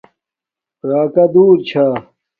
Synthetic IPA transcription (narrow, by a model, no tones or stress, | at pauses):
ɾaːkɐd̪uːɾt͡ɕʰaː